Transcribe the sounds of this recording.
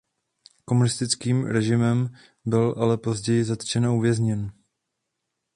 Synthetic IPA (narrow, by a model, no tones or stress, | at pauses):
ko̞munɪst̪ɪt͡skiːmɾɛʒɪmɛm | bɪlʔalɛpo̞zɟɛjɪzat̪t͡ʃɛnouvjɛzɲɛn